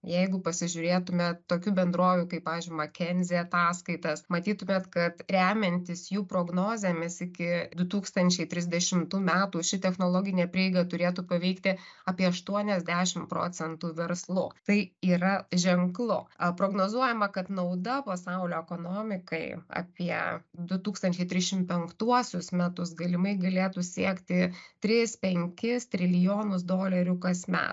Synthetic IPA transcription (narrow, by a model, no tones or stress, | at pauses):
jɛɪɡʊpɐsʲɪʒʲʊɾʲeːt̪ʊmʲɛt̪oːkʲuːbʲɛnd̪ɾoːʋʲukɐɪpːɑːʋʲeːzʲd͡ʒʲɪmɐkʲɛnʲzʲiɐt̪ɑːskɐɪt̪ɐsmɐt̪ʲiːt̪ʊmʲeːt̪kɐt̪ɾʲæːmʲɛnʲt̪ʲɪsjuːpɾoːɡnoːzʲɛmʲɛsɪkʲɪd̪ʊt̪uːkst̪ɐnʲt͡ʃʲɛɪt̪ʲɾʲɪzʲd̪ʲɛʃʲɪmt̪uːmʲæːt̪uːʃʲɪt̪ʲɛxnoːlˠoːɡʲɪnʲeːpʲɾʲiɛɪɡɐt̪ʊɾʲeːt̪uːpɐʋʲɛɪkt̪ʲɪɑːpʲiɛɐʃt̪uɔnʲɛzʲd̪ʲæːʃʲɪmpɾo̰ːt͡s̪ʲɛnt̪uːʋʲɛɾslˠʊ̰t̪ɐɪiːɾɐʒʲɛŋklˠʊpɾoːɡnoːzuɔjɛmɐkɐt̪nɐʊd̪ɐpɐsɐʊlʲoːɛkoːnoːmʲɪkɐɪɐ̰ːpʲiɛd̪ʊt̪uːkst̪ɐnʲt͡ʃʲɛɪt̪ʲɾʲɪsʃʲɪmpʲɛŋkt̪uɔsʲʊsmʲæt̪ʊsɡɐlʲɪmɐɪɡɐlʲeːt̪usʲiɛkt̪ʲɪt̪ʲɾʲɪspʲɛŋʲkʲɪst̪ʲɾʲɪlʲɪjoːnʊs̬d̪oːlʲɛɾʲʊkɐsʲmʲɛ̰ːt̪